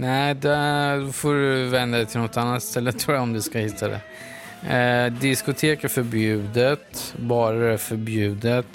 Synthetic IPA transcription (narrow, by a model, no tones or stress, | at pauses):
næd̪ɛd̪ɔfoːɾɵvɛnd̪ad̪ɛt̪ʰɪlnɔt̪ːanːat̪ːst̪ɛlːət̪ʰːɾuːɾjaɔmd̪ɵskahɪt̪ʰːad̪ɛ̰ | d̪ɪskʊt̪ʰeːkaɾfœɾbjʉ̟ːd̪ət̪bɑːɾadɛfœɾbjʉ̟ːd̪ət̪